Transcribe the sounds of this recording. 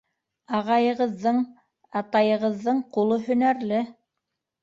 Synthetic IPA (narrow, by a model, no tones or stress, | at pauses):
ɑʁɑjɤ̆ʁɤ̆ðːɤɴ | ɑt̪ɑjɤ̆ʁɤ̆ðːɤɴqulˠɤɦɵ̆næɾlɘ